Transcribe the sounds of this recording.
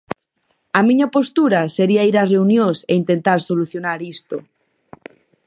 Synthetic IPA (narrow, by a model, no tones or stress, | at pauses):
amĩɲapost̪uɾaseɾiaiɾareunjõsḛint̪ent̪aɾsoluθjonaɾist̪o